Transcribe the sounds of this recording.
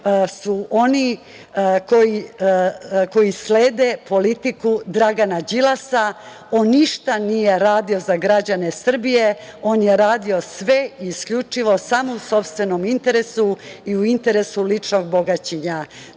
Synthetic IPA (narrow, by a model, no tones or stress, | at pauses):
suʔo̞ni | ko̞ji | ko̞jisleːd̪e̞po̞lit̪ikud̪ɾaɡanad͡ʑilasa | o̞nːiʃt̪anije̞ɾaːd̪io̞zaɡɾad͡ʑane̞sr̩bije̞o̞ːnje̞ɾaːd̪io̞sʋe̞iːskʎut͡ʂiʋo̞samouso̞pst̪ʋe̞no̞mint̪e̞ɾe̞suiuint̪e̞ɾe̞sulit͡ʂno̞ɡ̚boɡat͡ɕiɲa